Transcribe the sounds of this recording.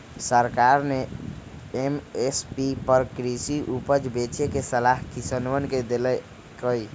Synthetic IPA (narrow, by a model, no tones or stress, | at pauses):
səɾkaɾne | emespipəɾkɾisiʔupəd͡ʒbet͡ʃekesəlaɦkisənʋənked̪elɛ | kəj